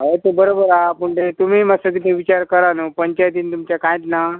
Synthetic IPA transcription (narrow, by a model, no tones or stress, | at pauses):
ɦəjt̪obəɾobəɾapuɳʈet̪um̤imasəd̪iʈ̪ʰeʋit͡ɕaɾkəɾanopəɲt͡ɕajt̪̬iːnt̪umt͡ɕjakãjt̪na